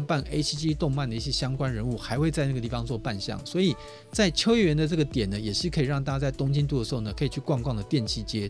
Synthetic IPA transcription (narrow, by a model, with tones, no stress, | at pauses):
pa˥˩ne˥ɪsʰi˥t͡ɕi˥t̪ʊ˥˧ŋma˥˩nd̪ə˩i˥˩ɕjɛ˧˥ɕjɑ˥ŋkwa˥nɻə˧˦˥nu˥˩xa˧˥ɪxwe˥˧ɪt͡sa˥˧na˥˩ə˩t̪i˥˩fɑ˧˦ŋt͡swɔ˥˧pa˥˧nɕjɑ̰˥˨˩ŋswɔ˧˥i˨˩ | t͡sa˥˩ɪt͡ɕʰjo˥ʊjɛ˥˩ɥɛ˧˦nd̪ə˧ʈ͡ʂɤ˥˩ɡə˩t̪jɛ˨˩nə˦jɛ˨˩ʂɻ̩˥˩kʰə˧˥i˨˩ɻɑ˥˩ŋt̪a˥a˥t͡sa˥˩ɪt̪ʊ˥ŋt͡ɕi˥nt̪̬u˥˩d̪ə˩ʂɻ̩˧˥o˨˩nə˩kʰɤ˧˥i˨˩t͡ɕʰy˥˩kwɑ˥˧ŋkwɑ˥˩ŋd̪ə˩t̪jɛ˥˧˨nt͡ɕʰi˥˩t͡ɕjɛ˥